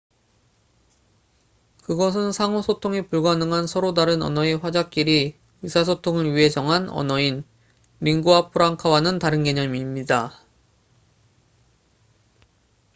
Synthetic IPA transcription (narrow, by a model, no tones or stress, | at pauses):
kɯɡʌs̬ʰɯnsʰaŋosʰotʰoŋepuɭɡwanɯŋɦansʰʌɾodaɾɯnʌ̰nʌe̞ɸwad͡ʑak͈iɾi | ɥisʰas̬ʰotʰoŋɯɾɥiɦe̞d͡ʑʌŋɦanʌ̰nʌin | miŋɡuapʰɯɾaŋkʰawanɯntaɾɯnke̞ɲʌmimɲida